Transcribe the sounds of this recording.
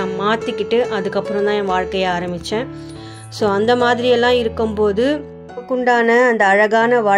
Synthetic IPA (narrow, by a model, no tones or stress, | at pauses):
ãːmaːt̪ːɪkːɪʈːɯʔɐðɯkːɐpːɯɾɔ̃nt̪ãːẽːʋaːɻkɐjaːɾɐmɪt͡ʃːẽː | soːɐnd̪ɐmaːðɪɾɪjɛlːãːɪɾɯkːɯmpoːðɯ | kːʊɳɖaːnɐːnd̪ɐːɻɐɣaːnɐʋaː